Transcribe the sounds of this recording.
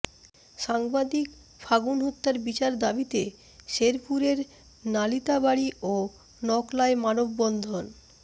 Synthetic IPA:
ʃaŋbad̪ik | fʰaɡunɦut̪ːaɾbit͡ɕaɾd̪abit̪e | ʃeɾpʰuɾeɾ | nalit̪abaɽiʔo | nɔklaemanobbɔnd̪ʱon

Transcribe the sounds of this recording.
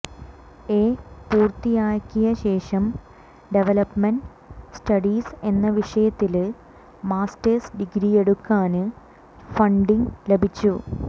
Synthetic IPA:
eːpuːrt̪ijaːɻkːijɐɕe̞ːʂɐm | ɖe̞ʋɐlɐpmɐɳɖ | stɐɽiːse̞nːɐʋiʂɐjɐt̪ːil | maːstɐrsɖiɡɾije̞ɽukːaːnɨ | fɐɳɖiŋle̞bʱit͡ɕːu

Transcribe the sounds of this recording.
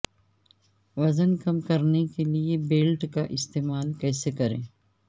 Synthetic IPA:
ʋɐzənkɐmkɐɾnekeliebeːlʈkaʔɪst̪eːmaːlkɛːsekɐɾḛ̃ː

